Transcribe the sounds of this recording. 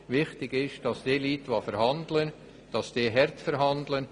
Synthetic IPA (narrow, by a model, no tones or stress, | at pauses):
ʋɪχtɪɡɪʃd̥ɑsd̥eːliːtʋofɛɾhɑndlən | d̥ɑsd̥eːɦɛɾtfɛɾɦɑndlən